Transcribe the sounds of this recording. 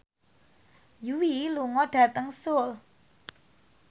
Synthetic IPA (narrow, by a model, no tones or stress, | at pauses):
juwiluŋɔɖ̥ä̤t̪əŋsʊl